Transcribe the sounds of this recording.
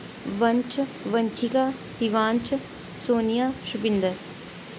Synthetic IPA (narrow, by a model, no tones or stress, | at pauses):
ʋənt͡ʃʋəɲt͡ʃʰikaː | siʋaːnt͡ʃʰ | soːnijaːʃʊpɪnd̪əɾ